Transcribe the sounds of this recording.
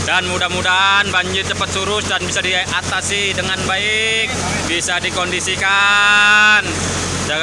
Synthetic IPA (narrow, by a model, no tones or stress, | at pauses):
danmudahmudanbaɲd͡ʒɪrt̪əmpat̪̚suɾʊsdanbisadiaat̪asɪdəŋanbaɪk̚ | bisadikɔndisika | n | da